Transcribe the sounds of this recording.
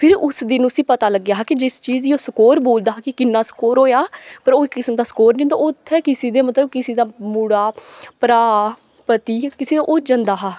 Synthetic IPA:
pʰɪɾʊsd̪ɪnʊsĩːpət̪aːləɡjaːɦakɪd͡ʒɪst͡ʃiːziːoːsəkoːɾboːld̪aːɦːkɪkɪnːaːsə̥koːɾɦoːjaːpəɾoːɪkːɪsəmd̪aːsə̥koːɾnĩːd̪oːʔʊt̪ʰːɛːkɪsiːd̪eːmət̪ləb̚kɪsiːd̪aːmuːɽaːpɾaː | pət̪iːkɪseːd̪aːʔʊd͡ʒə̃nd̪aːɦaː

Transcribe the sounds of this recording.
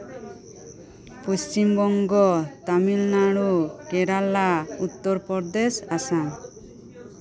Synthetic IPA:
pust͡ʃimɡɔŋɡɔt̪amilnaɽukɛɾalaut̪ːɔɾpɔɾd̪esasã

